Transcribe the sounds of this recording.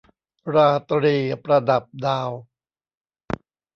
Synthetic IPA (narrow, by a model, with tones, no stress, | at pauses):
ɾaː˧t̪ɾiː˧˩pɾa˧da˨˩p̚daː˧w